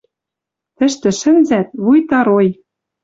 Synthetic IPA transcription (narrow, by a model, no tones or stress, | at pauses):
t̪ɘ̆ʃt̪ɘ̆ʃɘ̆nzæt̪̚βujt̪ɑɾoj